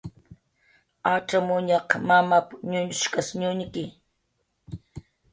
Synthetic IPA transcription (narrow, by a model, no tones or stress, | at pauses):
at͡ʃamʊɲɑqmamapɲʊɲʊʃkasɲʊnkɪ